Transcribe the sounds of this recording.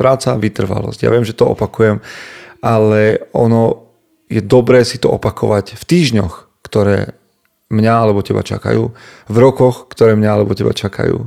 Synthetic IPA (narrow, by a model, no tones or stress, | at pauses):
pɾaːt͡saʋit̪r̩ʋa̰lɔ̰z̥ɟja̰ʋɪɛmʒɛt̪ɔɔ̰pakujɛmʔalɛɔnɔ | jɛd̪ɔbɾɛːsit̪ɔʔɔpakʰɔʋacft̪iːʒɲɔx | kt̪ɔɾɛ̰ː | mɲaalɛbɔcɛba̰t͡ʃa̰ka̰jṵːvɾɔkɔxkt̪ɔɾɛːmɲaalɛbɔcɛba̰t͡ʃaka̰jṵː